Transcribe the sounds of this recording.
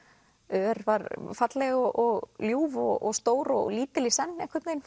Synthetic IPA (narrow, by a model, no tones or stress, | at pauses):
ʏɛɾvaɾfat̪lɛɣɔʔɔɣljuːvɔ̰ɣɔ̰st̪oːwɾɔ̰ɣliːt̪ɪlisɛnːɛhkʰvɪɾt̪neːjn